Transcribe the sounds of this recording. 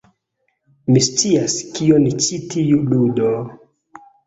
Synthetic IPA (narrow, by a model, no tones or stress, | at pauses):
mist͡siaskionit͡ʃitiuludo